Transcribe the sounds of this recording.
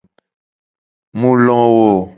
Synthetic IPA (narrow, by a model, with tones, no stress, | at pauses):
mu˦lɔ˦ŋ˦wo˨